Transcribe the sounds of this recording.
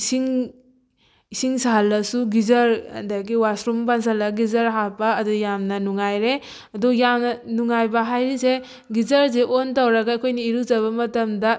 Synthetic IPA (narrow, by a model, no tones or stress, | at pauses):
siŋ | isiŋsaɦlːɐsuɡizɐɾ̰daɡiwasɾumpans̬ɐlɐɡizɐɾɦapɐːdujamnɐnuŋajɾe | ɐdujamnɐnuŋajbɐɦajɾise | ɡizɐɾz̬eʔontawɾɐɡaːkʰojniiɾuzɐβɐmɐtɐmdɐ